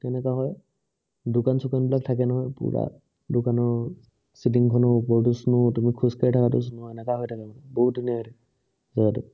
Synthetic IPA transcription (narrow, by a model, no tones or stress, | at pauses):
tɛnɛkaɦɔj | dʊkansukanbilak̚tʰakɛnɔɦɔjpṵɹa̰ | dʊkanɔɹ | sitiŋkʰɔnɔpɔɹtusnutumikʰuskaɹitʰakatʊs̬nuɛnɛkaɦɔjtʰakamɔnabɔɦut̚dunijatɛ | zaɡatʊ